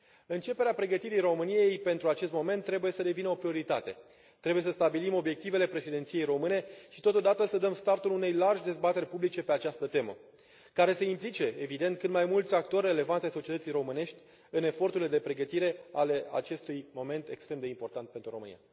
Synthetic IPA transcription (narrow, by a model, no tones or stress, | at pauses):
ɨnt͡ʃe̞peɾeapɾe̞ɡət̪iɾijro̞mɨnije̞jpe̞nt̪ɾuat͡ʃe̞st̪mo̞me̞nt̪ːɾe̞buje̞səd̪e̞vinəo̞pɾio̞ɾit̪at̪e̞̰ | t̪ɾe̞buje̞səst̪abilimo̞bje̞k̚t̪ive̞le̞pɾe̞ʃid̪et̪sije̞jɾo̞mɨneʃi̥t̪o̞t̪o̞d̪at̪əsəd̪əmst̪art̪ulune̞jlarʒʲd̪e̞zbat̪e̞rʲpublit͡ʃe̞pe̞at͡ʃast̪ət̪e̞mə̰ | kaɾe̞se̞implit͡ʃe̞evid̪e̞nt̪̚kɨnd̪majmult̪sʲak̚t̪o̞rʲːe̞le̞vanʲajso̞t͡ʃiet̪ət̪sijɾo̞mɨne̞ʃt̪ʲ | ɨne̞fo̞rt̪uɾile̞d̪e̞pɾe̞ɡət̪iɾe̞ale̞a̰t͡ʃe̞st̪ujmo̞me̞nt̪e̞kst̪ɾemd̪eimpo̞rt̪ant̪pe̞nt̪ɾuɾo̞mɨnḭja̰